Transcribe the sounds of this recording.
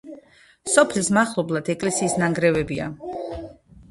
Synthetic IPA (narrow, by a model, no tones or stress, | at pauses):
sɔpʰlismaχlˠɔblˠad̪ɛkʼlɛsiːsnaŋɡɾɛvɛbia̰